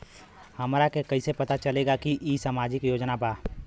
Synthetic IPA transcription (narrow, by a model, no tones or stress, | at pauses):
hɐmɾakekɐisepɐt̪at͡ʃɐleːɡakiʔiːsaːmaːd͡ʒɪkjoːd͡ʒnabaː